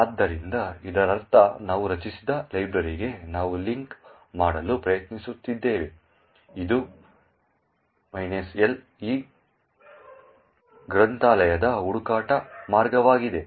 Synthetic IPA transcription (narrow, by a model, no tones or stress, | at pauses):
aːd̪ːɐɾind̪ɐid̪ɐɾɐɾt̪ɐnaːʋuɾɐt͡ʃisid̪ɐlɐjbɾɐɾiɡe̞naːʋuliŋk | maːɽɐlupɾɐjɐt̪nisut̪ːid̪ːe̞ːʋe | id̪u | mɐjnesel | iː | ɡɾɐnt̪aːlɐjɐd̪ɐuɽukaːʈɐmaːɾɡɐʋaːɡid̪e̞